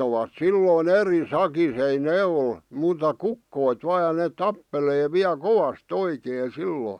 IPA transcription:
oʋɑt silːoˑĭn eri sɑkis ei neː ol muːtɑ kukːoit ʋɑː jɑ neːt̆ tɑpːeleː ʋiæ koʋɑst oikeː silːoˑĭ

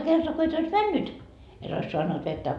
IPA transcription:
kertoɑ ko et ois mænːyt et ois soɑnːut ʋetːæ

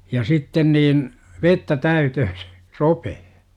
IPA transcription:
jɑ sitːen niːn ʋetːæ tæytøhø se̥ ropehe

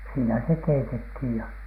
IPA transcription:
siːnæ se keitethiˑj jɑ

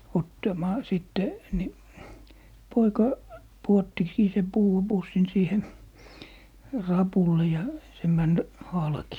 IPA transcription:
otːɑmɑː siˑtːe ni poikɑ puotːikiː sem puːɑ pusːin siːhe rɑpulːe jɑ se mæn hɑlki

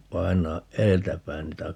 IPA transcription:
pɑinɑːʔ ʔeːltæ pæin niːtæ

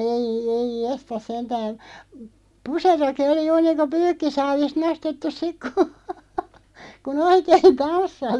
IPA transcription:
ei eij jestɑs sentæːn̞ puseroki oli juːr niːnko pyːkːisɑːʋist nostetːus sik ku kun oikeːĭn tɑnsːɑsi

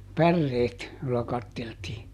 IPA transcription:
pærːeːt jolːɑ kɑtːeltiː

